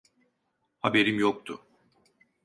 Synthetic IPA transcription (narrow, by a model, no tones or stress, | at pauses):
habe̞ɾimjokt̪ʰʊ